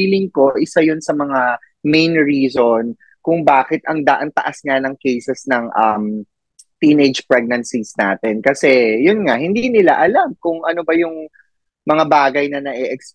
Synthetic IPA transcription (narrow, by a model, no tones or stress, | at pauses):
iːlɪŋko̞ʔɪsajʊnsɐmɐŋa | mejnɹiːzon | kʊŋbaːkɛt̪ʔɐŋd̪ɐʔɐnt̪ɐʔasŋanɐŋkɛjsɛsnɐŋʔɐm | t̪iːned͡ʒpɹɛɡ̚nɐnsisna̰ːt̪ɛnkɐsɛjʊnŋahɪnd̪iːnɪlaʔɐlamkʊŋʔɐnobɐjʊŋ | mɐŋabaːɡɐjnɐnɐʔɛʔɛks